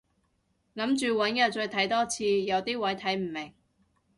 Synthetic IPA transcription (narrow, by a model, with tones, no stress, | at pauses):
lɐ˨˥mt͡ʃyː˨wɐ˨˥njɐ˨˩t͡ʃɵ˧ɥt̪ʰɐ˨˥jt̪ɔː˥t͡sʰiː˧jɐ˨˧wt̪iː˥wɐ˨˥jt̪ʰɐ˨˥jm̩˨˩mɪ˨˩ŋ